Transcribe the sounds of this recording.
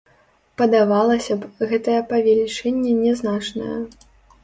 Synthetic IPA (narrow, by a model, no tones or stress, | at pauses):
pɐd̪avalˠɐsʲɐpɣɛt̪ɐjɐpɐvʲɛlʲit͡ʂɛnʲːɛnʲɛznat͡ʂnɐ̰jɐ̰